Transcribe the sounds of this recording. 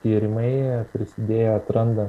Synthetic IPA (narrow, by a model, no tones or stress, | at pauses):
t̪ʲiːɾʲɪmɐɪpʲɾʲɪsʲɪd̪ʲeːjɛɐt̪ɾɐnd̪ɐ